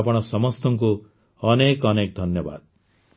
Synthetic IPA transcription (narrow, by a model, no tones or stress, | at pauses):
pɔɽ̃ɔsɔmɔst̪ɔŋku | ɔnekɔnek̚d̪ʱɔnjɔba̰d̪